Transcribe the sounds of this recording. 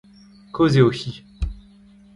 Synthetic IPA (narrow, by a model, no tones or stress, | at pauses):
kozeoxi